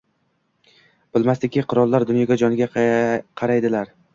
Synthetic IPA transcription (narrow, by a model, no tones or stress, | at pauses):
b̥ɪlmast̪ɪkʲɪqʰʊɾɒlˠːaɾd̪ʊnjɒɡʲad͡ʒɒnɪɡʲaqʰɑɾajd̪ɪlaɾ